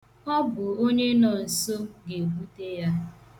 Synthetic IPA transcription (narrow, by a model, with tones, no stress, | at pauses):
ɔ˦bʊ˨o˦ɲe˦nɔ˨n̩˨so˦ɡe˨bu˦te˦ja˦